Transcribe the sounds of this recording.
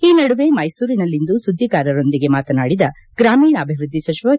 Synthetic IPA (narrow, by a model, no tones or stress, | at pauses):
iːnɐɽuʋe̞mɐjsuːɾinɐlːind̪usud̪ʱːikaːɾɐɾo̞nd̪iɡe̞maːt̪ɐnaːɽid̪ɐ | ɡ̥ɾaːmiːɳɐːbʱiʋɾud̪ʱːisɐt͡ʃiʋɐ